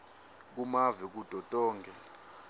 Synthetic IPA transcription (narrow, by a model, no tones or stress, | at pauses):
k̬umavik̬ud̥ʼʱɔtʼɔːŋɡʱɛ